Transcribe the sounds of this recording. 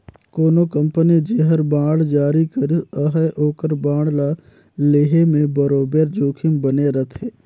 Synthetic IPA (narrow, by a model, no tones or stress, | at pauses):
koːnokɐ̃mpənid͡ʒeɦəɾbãːɽd͡ʒaːɾikəɾiəɦəʔoːkəɾbãːɽla | leːɦemẽbəɾoːbeɾd͡ʒoːkʰimbəneɾət̪ʰeː